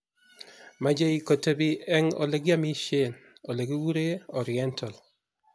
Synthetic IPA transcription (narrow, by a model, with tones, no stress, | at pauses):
ma˨d͡ʒe˦iko˨te˨bi˦ɛ˦ŋo̰˨le˨ɡi˦a˦mi˦ʃe˦no˨le˨ɡi˦wu˦ɾe˦ɔɾiɛntʰa˨l